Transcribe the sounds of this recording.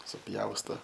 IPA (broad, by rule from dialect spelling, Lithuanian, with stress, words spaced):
sʊˈpʲjɛʊstoː